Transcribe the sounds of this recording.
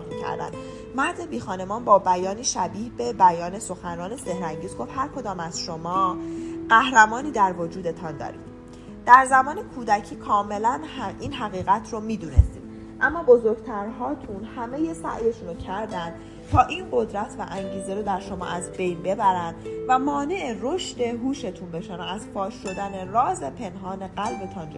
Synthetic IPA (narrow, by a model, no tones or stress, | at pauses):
micʰæ̰ɾd̪æ̰nd̪ | mæɾzebiːxɒːne̞mɒːnbɒːbæjɒːniːʃæbiːhbe̞bæjɒːne̞so̞xænɒːne̞se̞hɾæŋɟiːzɡo̞fhæɾkʰod̪ɒːmæz̥ʃo̞mɒːɢ̥æhɾæmɒːniːd̪æɾvod͡ʒuːd̪e̞t̪ʰɒnd̪ɒ̰ːɾḭːm | d̪̥æɾzæmɒːnekʰuːd̪æcʰiːkʰɒːme̞læniːnɦæɣiːɣæt̪ʰromiːd̪uːnḛst̪iːm | ʔæmːɒːbo̞zo̞ɾɡ̥t̪ʰæɾɦɒːt̪ʰunhæme̞je̞sæ̰ʔje̞ʃunocʰæɾd̪ænd̪̥ | t̪ʰɒːʔiːnɢo̞d̪ɾæt̪ʰvæʔæŋɟiːzeɾod̪æɾʃo̞mɒ̰ʔæzbe̞jnbe̞bæɾænd̪væmɒːne̞ʔero̞ʃt̪e̞ɦuːʃe̞t̪ʰunbe̞ʃænæzfɒːʃːo̞d̪æne̞rɒːze̞pʰe̞nɦɒːne̞ɢælbe̞t̪ʰɒːnd͡ʒ̰